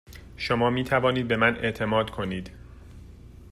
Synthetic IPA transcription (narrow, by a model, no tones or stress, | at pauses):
ʃomɒːmiːt̪ʰævɒːniːd̪̚be̞mænʔe̞̰ʔt̪ʰe̞mɒːd̪kʰo̞niːd̪̥